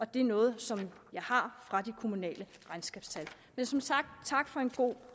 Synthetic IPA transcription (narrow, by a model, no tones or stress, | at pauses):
ɒ̽d̥e̝ænɔ̽ːð̞̩ˠsɒ̽m | jɑ̈ɪhɑ̈fʁɑ̈d̥ikʰo̝munɛ̰ːlə | ʁɑ̈ɪnsɡ̥ɛːb̥st͡sʰæl | mensɒ̽msɑ̈ɡ̥̚d̥t͡sʰɑ̈ɡ̥fɒ̽e̝nɡ̥o̝̰ː